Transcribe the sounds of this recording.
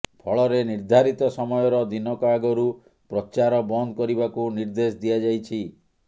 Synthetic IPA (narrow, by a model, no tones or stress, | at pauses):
pʰɔɭɔɾeniɾd̪ʱaɾit̪ɔsɔmɔjɔɾɔd̪inɔkaɡɔɾu | pɾɔt͡ʃaɾɔbɔnd̪ɔkɔɾibakuniɾd̪esd̪ijad͡ʒajt͡ʃʰi